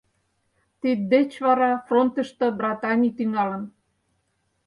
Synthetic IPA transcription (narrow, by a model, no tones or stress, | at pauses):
t̪id̪̚d̪et͡ɕβɑɾɑfront̪ə̆ʃt̪ɤ̆brɑt̪ɑnʲijt̪yŋɑlə̆n